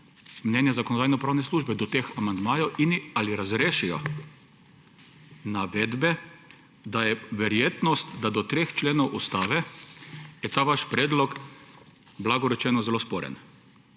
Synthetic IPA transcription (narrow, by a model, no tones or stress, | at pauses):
mnʲɛnjɛzakɔnɔd̪aːjnɔpɾaːwnɛsluːʒbɛd̪ɔt̪eːxamand̪maːjɔwinialiɾazɾeːʃijɔ̰ | naʋɛːd̪bɛ | d̪ajɛʋɛɾjeːt̪nɔst̪d̪ad̪ɔt̪ɾeːxt͡ʃleːnɔwʔust̪aːʋɛ | jɛt̪aːʋaʃpɾeːd̪lɔk | blaɡɔɾɛt͡ʃɛːnɔzɛlospɔːɾɛ̰n